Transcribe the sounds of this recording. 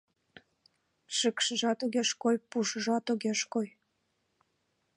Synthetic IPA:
ʃəkʃəʒɑt̪oɣeʃkojpuʃəʒɑt̪oɣeʃkoj

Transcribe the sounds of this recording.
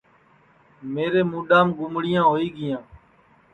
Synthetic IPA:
meːɾeːmuːɗaːmɡʊmɽɪjãːɦoːiːɡɪjãː

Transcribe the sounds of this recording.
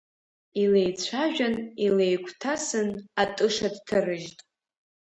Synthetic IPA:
ilejt͡ɕʷʰaʒᶣanilejkʷʰʼtʰasɨnatʼɨʂadtʰarɨʒtʼ

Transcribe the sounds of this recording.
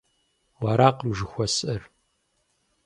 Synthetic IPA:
waːɾaːqəmʒɨxʷɔsʼɐr

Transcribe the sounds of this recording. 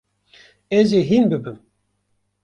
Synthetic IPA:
ɛziɦinbɨbɨm

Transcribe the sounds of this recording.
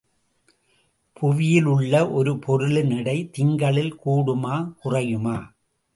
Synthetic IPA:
pʰʊʋɪjɪlɯɭːɐʔɔɾɯpʰɔɾɯɭɯnɪɽɐɪt̪ɪŋɡɐɭɪlkuːɽɯmaːkʊrɐjɯmaː

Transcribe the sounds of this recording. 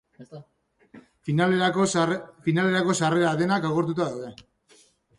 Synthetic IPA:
l | finale̞ɾako̞sare̞ɾaðe̞nakawɣe̞ɾt̪̬ut̪aðawðe̞

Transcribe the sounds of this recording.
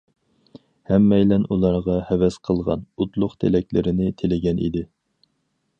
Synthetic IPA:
hɛmːɛjlɛnulˠɑɾʁɑhɛwɛsqʰəlˠʁɑ̰nut̪lˠʊqt̪ʰelɛkʲlɪɾɪnɪt̪ʰelɪɡʲɛnʔḭd̪ɪ

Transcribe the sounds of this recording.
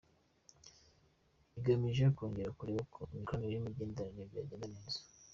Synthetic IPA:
iɡamiʒekoːŋɡeɾakuɾiβokʰomikonojimiɟeːndaɾanebja̰ːɟenaneːzḁ

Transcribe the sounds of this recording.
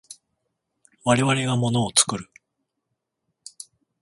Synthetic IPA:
βaɾe̞βaɾe̞ɡamo̞no̞ːt͡sɨ̥kɯ̟ɾɯ̟

